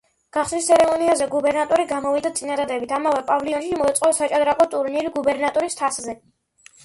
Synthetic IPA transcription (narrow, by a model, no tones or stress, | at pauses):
ɡ̥aχslist̪sʰɛɾɛmɔniazɛɡubɛɾnat̪ʼɔɾiɡamɔvid̪at̪sʼinad̪ad̪ɛbit̪ʰamavɛpʼavliɔnʃimɔɛt̪sʼqʼɔsat͡ʃʼad̪ɾakʼɔt̪ʼuɾniɾiɡubɛɾnat̪ʼɔɾist̪ʰaszɛ